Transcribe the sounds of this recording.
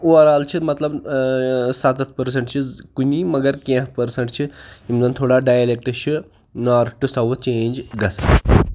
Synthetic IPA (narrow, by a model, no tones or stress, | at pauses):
uɐɾaːlt͡ʃʰimɐt̪lɐb | sat̪ɐt̪ʰpɐɾs̬ɐɳʈt͡ʃʰikunimɐɡəɾkẽfpɐɾsɐɳʈt͡ʃʰiimzɐnt̪ʰoːɽaɖaːjɐlek̚ʈɕʰi | naːɾʈusɐʋut͡ʃeːnd͡ʒɡɐsa